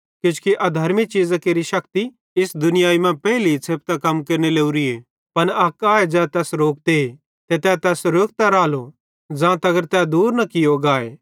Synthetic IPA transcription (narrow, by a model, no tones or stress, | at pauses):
kjʊ̃t͡ʃkiʔɐd̪ʱɐɾmit͡ʃiːzakeːɾiʃɐkt̪i | ɪsd̪ʊnɪjaːimɛ̃pɛːlit͡sʰeːp̚t̪akɐmkeːɾneleːuɾieː | pɐnɐkaːed͡ʒɛt̪ɛːsɾoːk̚d̪e | t̪et̪ɛːt̪ɛːsɾoːk̚t̪aɾaːlo | d͡ʒãːt̪ɐɡəɾt̪ɛd̪uːɾnɐkɪjoɡaːeː